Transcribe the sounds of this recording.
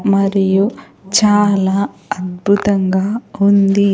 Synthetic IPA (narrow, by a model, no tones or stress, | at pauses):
mɐɾiju | t͡ʃaːlaːɐd̪̚bʱut̪ɐŋɡaːund̪i